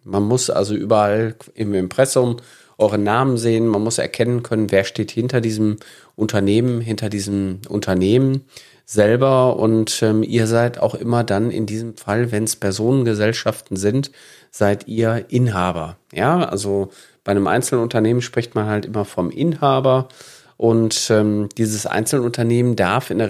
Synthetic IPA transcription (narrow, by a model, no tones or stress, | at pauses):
manmʊsʔa̰lzoʔy̰ːbɐʔalʔɪmɪmpʁ̥ɛsʊm | ʔɔʏʁ̞ənaːmənzeːənmanmʊsɛ̰ɐkʰɛnənkʰœnənveːɐʃteːthɪntɐdiːzəm | ʔʊntʰɐneːmənɦɪntɐdiːzəm̩ʔʊ̰ntʰɐneːmən | zɛlbɐʔʊ̰ntʔɛːmʔiːɐzaɪtʰa̰ʊxʔɪmɐdanɪ̰ndiːzəmfalvɛnspɛɐzoːnənɡəzɛlʃaftn̩zɪnt | z̥aɪtiːɐʔɪnɦaːbɐjaːʔa̰lzo | b̥aɪnəmʔa̰ɪnt͡sl̩nʊntɐneːmənʃpʁ̥ɪçtmanhaltʔɪmɐfɔmʔɪnhaːbɐ | ʔʊntʔɛːmd̥iːzəsʔa̰ɪnt͡sl̩nʊntɐneːməndaɐfɪndɛ